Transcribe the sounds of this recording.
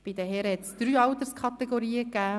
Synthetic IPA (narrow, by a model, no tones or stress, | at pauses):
b̥id̪əɦɛɾhɛt̪sd̥̪ɾyːɑwt̪əɾskʰɑt̪ɛɡoɾiːəkæː